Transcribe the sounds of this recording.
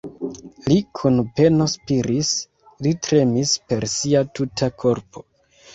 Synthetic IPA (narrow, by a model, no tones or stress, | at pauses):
likʰunpe̞no̞spiɾis | litɾe̞mispe̞ɾsiatutʰakʰo̞ɾpʰo̞̥